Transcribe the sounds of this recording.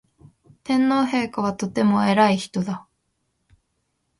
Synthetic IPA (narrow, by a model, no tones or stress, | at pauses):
t̪ẽ̞nːo̞ːɦe̞ːkaβ̞at̪o̞t̪e̞mo̞e̞ɾaiçi̥t̪o̞d̪a